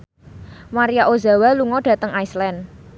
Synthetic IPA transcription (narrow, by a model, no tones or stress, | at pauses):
maɾiaʔoza̤waluŋɔɖ̥ä̤t̪əŋaislɛn